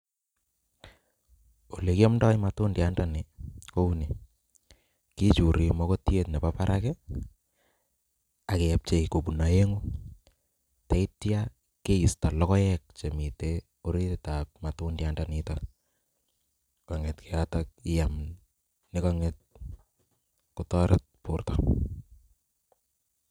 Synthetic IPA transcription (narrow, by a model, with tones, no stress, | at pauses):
o˨le˨ki˦ja˦mndɔ˦imatʊ˦ndjandani˨ko˦une˨ | ki˦t͡ʃu˨ɾi˨mɔ˦ko˦tje˦tne˨papaɾʔakɛ | a˨ke˨a˨p̚t͡ʃe˨ko˨bu˨na˨je˦ŋu˦ | ta˨˦i˦tja | ke˦i˨sta˨lɔ˦kɔ˦jɛk̚t͡ʃe˨mi˨te | o˦ɾi˦tɪtap̚matʊndjandanita | kɔ˨ŋɛtkʰeatak̚ɪ˦jam | nɪkɔŋet̚ | kutɔɾʔɪt̚pu˨rta